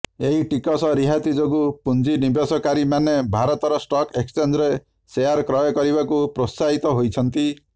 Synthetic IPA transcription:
eɦiʈikɔsɔɾiɦat̪id͡ʒoɡupund͡ʒinibesɔkaɾimanebʱaɾɔt̪ɔɾɔsʈɔkekst͡ʃend͡ʒɾe | sejaɾkɾɔjɔkɔɾibakupɾosaɦit̪ɔɦojt͡ʃʰɔnt̪i

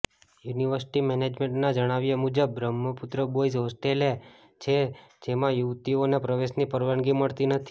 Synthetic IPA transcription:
juniʋəɾsi̥ʈimɛned͡ʒmẽɳʈnad͡ʒəɽ̃aʋjemud͡ʒəbːɾəmːəput̪ɾəbois̬ɦosʈele | t͡ʃʰed͡ʒemãjuʋt̪ionepɾəʋeʃnipəɾʋəɳɡiməɭt̪inət̪ʰi̥

